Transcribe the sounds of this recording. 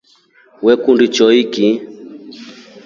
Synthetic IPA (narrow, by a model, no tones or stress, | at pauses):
wɛkundit͡ʃɔiki